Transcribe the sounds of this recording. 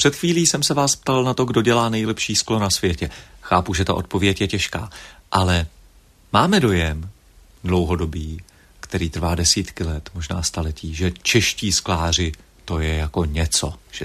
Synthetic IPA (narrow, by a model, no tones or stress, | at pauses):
pr̥ɛt̪xviːliːsɛmsɛvaːsp̚t̪alnat̪o̞ɡdo̞ɟɛlaːnɛjlɛpʃiːsklonasvjɛcɛxaːpuʒɛt̪aʔo̞t̪̚po̞vjɛcjɛcɛʃka̰ːʔalɛ | maːmɛdo̞jɛm | dlo̞wɦo̞do̞biː | kt̪ɛɾiːt̪r̩vaːdɛsiːt̪kɪlɛt̪mo̞ʒna̰ːst̪alɛciːʒɛt͡ʃɛʃciːsklaːr̝ɪ | t̪o̞jɛjako̞ɲɛt͡so̞̰ʒ̥ɛ